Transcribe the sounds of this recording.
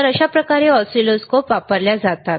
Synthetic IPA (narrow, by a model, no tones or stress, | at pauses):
əɾəɕapɾəkaɾeɔsʈɾiloskopʋapəɾljad͡zat̪at̪